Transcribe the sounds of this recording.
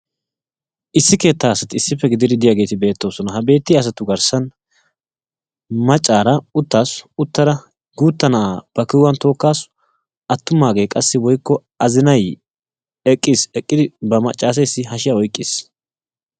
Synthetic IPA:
ʔɪsːɪke̞ːt̪ːaːsɐt̪ɪɪsːɪfːɛɡɪd̪ɪd̪ɪd̪ɪjaːɡeːt̪ɪbe̞ːt̪ːo̞ːsɔnɐɦɐbe̞ːt̪ːɪɐs̬ɐt̪ʊɡɐɾsɐn | mɐt͡ʃʼːaːɾɐʊt̪ːaːsʊt̪ːɐɾɐ | ɡuːt̪ːɐnaːb̥ɐkɪwɐnt̪o̞ːkːaːs | ʔɐt̪ːʊmːaːɡe̞ːkʼɐsːɪwɔjkːɔ | ɐzɪnɐj | ɛkʼːɪsɛkʼːɪd̪ɪbɐmɐt͡ʃʼːaːs̬ɛjsːɪɦɐʃɪjaɔjkʼːɪs

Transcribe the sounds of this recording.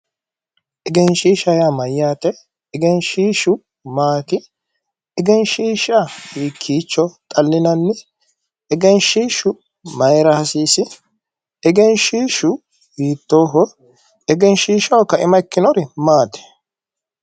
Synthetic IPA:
ʔɛɡɛnʃiːʃɐjamɐjːaːt̪ɛ | ɛɡɛnʃiːʃʊ | maːt̪ɪ | ɛɡɛnʃiːʃahiːkʰːiːt͡ʃːɔt̪ʼɐlːɪnɐnːɛ | ɛɡɛnʃiːʃʊ | mɐjɾɐhɐsiːsɪ | ɛɡɛnʃiːʃʊ | biːt̪ːoːɦɔ | ɛɡɛnʃiːʃɐwkːɐʔɪmɐkːɪnɔɾɪmaːt̪ɛ̥

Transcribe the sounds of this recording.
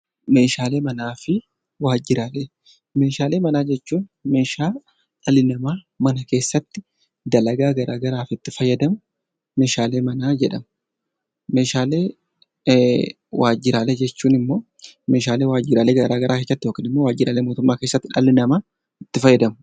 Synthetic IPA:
me̞ːʃaːle̞ːmɐnaːfɪ | waːd͡ʒɪɾaːleː | me̞ːʃaːle̞ːmɐnaːd͡ʒɛt͡ʃːuːnme̞ːʃaː | ᶑɐlɪnɐmaː | mɐnɐke̞ːsːɐt̪ːɪ | d̪ɐlɐɡaːɡɐɾaːɡɐɾaːfɪt̪ːɪfɐjːɐd̪ɐmʊ | me̞ːʃaːle̞ːmɐnaːd͡ʒɛᶑɐmɐ | me̞ːʃaːle̞ː | wʔaːd͡ʒːɪɾaːleːd͡ʒɛt͡ʃːuːnɪmːo̞ː | me̞ːʃaːle̞ːwaːd͡ʒɪɾaːleːɡɐɾaːɡɐɾʔaːkeːsːɐt̪ːɪjoːkiːnɪmːowaːd͡ʒɪɾaːleːmoːt̪ʊmːaːkeːsːɐt̪ːɪᶑɐlɪnɐmaː | ɪt̪ːɪfɐjːɐd̪ɐmʊ

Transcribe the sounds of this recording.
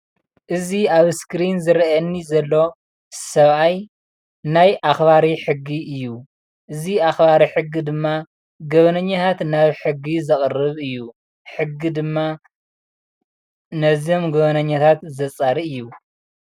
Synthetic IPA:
ʔɨziaβskɾinzɨɾɐnːizɐlːo̞ | sɐβaj | najʔaxbaɾiħɨɡːiʔɨjːu | ʔɨziaxβaɾiħɨɡːid̪ɨmːa | ɡɐβɐnɐɲːat̪ʰat̪naβħɨɡːizɨχʼrɨβɨjːu | ħɨɡːid̪ɨmːa | nɐzio̞mɡɐβɐnɐɲːat̪ʰat̪zɐt͡sʼaɾiɨjːu

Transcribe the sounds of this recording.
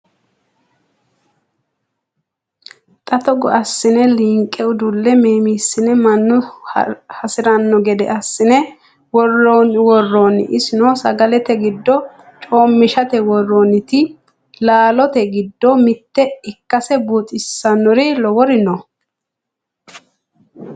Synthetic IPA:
t̪ʼɐt̪ɔɡɔɐsːɪnɛliːŋkʼːɛʊd̪ʊlːɛmeːmiːsːɪnɛmɐnːʊ | hɐsɪɾɐnːɔɡɛd̪ɛ̰ʔɐsːɪnɛ | wɔrːonwɔrːon̰ʔɪsɪnɔsɐ̰ɡɐlɛt̪ɛɡɪd̪ːɔ | t͡ʃʼo̞ːmːɪʃɐt̪ɛwɔrːonɪt̪ɪ | laːlɔt̪ɛɡɪd̪ːɔmɪt̪ːɛɪkːɐsɛbuːt̪ʼɪsːɐnːɔɾɪlɔwɔɾɪnɔ

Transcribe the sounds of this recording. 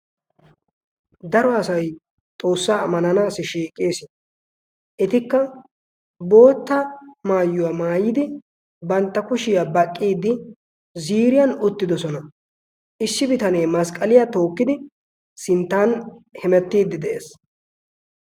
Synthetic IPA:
d̪ɐɾɔɐsɐj | t̪ʼo̞ːsːaːmːɐnɐnaːsɪʃiːkʼːeːsɪn | ʔɪt̪ɪkːɐ | bo̞ːt̪ːɐmaːjːʊwaːmaːjɪd̪ɪ | bɐnt̪ːɐkʊʃɪjaːbɐkʼːiːd̪ːɪ | ziːɾɪjɐnʊt̪ːɪd̪ɔsɔnɐ | ʔɪsːɪbɪt̪ɐneːmɐskʼːɐlɪjat̪o̞ːkːɪd̪ɪ | sɪnt̪ːaːnhɛmɛt̪ːiːd̪ːɪd̪ɛʔeːs

